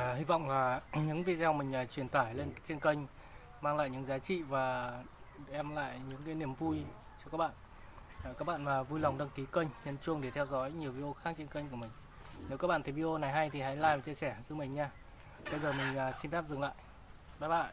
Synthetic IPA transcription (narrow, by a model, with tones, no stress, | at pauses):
hi˧vɔ̰˧˨wŋ͡mlaː˨˩ɲɨ̰˧˥ŋvi˧˨zaː˧wmi˨˩ŋ̟əː˨˩t͡ɕwi˧˩ənt̪aː˧˩jle˧nt͡ɕe˧nkə˧jŋ̟ | maː˧ŋla̰ː˧˨jɲɨ̰˧˥ŋzaː˨˦t͡ɕḭ˧˨vaː˨˩˧ | ʔɛ˧mla̰ː˧˨jɲɨ̰˧˥ŋkaː˨˦jni˧˩əmvu˧j | t͡ɕɔ˧kaː˦˥k̚ɓa̰ː˧˨nː˨˩ | kaː˦˥k̚ɓa̰ː˧˨nmaː˨˩vu˧jla˨˩wŋ͡mɗə˧ŋki˨˦kə˧jŋ̟ɲə˧nt͡ɕu˧əŋɗe˧˩t̪ʰɛ˧wzɔ˨˦jɲi˨˩əwvi˧ɗo˧xaː˦˥k̚t͡ɕe˧nkə˧ɲ̟ku˧˩mï˨˩ŋ̟ | ne˨˦wkaː˦˥k̚ɓa̰ː˧˨t̪ʰi˨˩vi˧ʔo˧na˨˩jɦa˧jt̪ʰi˨˩ɦa̰˨˦jlaː˧jvaː˨˩t͡ɕi˧əsɛ˧˩zɨ˧˦mï˨˩ŋ̟ɲaː˧ | ɓə˧jzəː˨˩mï˨˩ŋ̟əː˨˩si˧nfɛ˦˥p̚zɨ˨˩ŋla̰ː˧˨jʔ | ɓaː˦˥ɓa̰ː˧˨n